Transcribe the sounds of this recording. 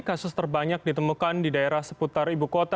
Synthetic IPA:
kasʊst̪ərbaɲak̚dit̪əmukandidaeɾahsəput̪aribukot̪a

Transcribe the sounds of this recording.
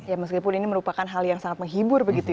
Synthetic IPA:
jaməs̬kipʊniniməɾupakanɦaljaŋsaŋat̪̚məŋɦibʊrbəɡit̪u

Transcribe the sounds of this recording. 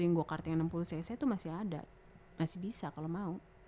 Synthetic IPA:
ujaŋɡuakart̪iŋənəmpulusajsajt̪umasɪɦada̰ | masɪhbisakalomau

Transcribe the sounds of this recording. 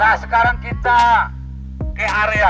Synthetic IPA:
asəkaɾaŋkit̪a | keaɾea

